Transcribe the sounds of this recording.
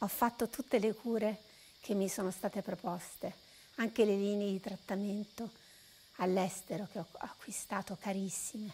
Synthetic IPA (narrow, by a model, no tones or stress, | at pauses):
ɔfːat̪ːot̪ut̪ːelekʰuːɾe | k̟ʰemːisoːnost̪aːt̪epɾopɔst̪e | aŋkeleliːneed̪it̪ɾat̪ːament̪o | alːɛst̪eɾok̟eɔakːwist̪aːt̪okaɾisːime